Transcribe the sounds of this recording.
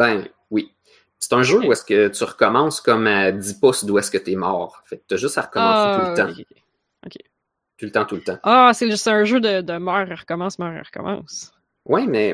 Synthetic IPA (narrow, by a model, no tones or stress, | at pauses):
bɛ̃ | wi | se̥t̪ɛ̃ʒøuɛskət̪yʁəkɔmɑ̃skɔmad̪ipɔsd̪uɛskət̪yɛmɑ̰ːʁɑ̃fɛkt̪ːyəʒʏst̪aʁəkɔmɑ̃t̪ult̪ã | o̰kʲʰḛ | t̪ult̪ɑ̃t̪ult̪ã̰aseseə̃ʒød̪əd̪əmœːʁiʁəkɔmɑ̃smœːʁḭʁəkɔ̰mɑ̰̃ːs | wɛmɛ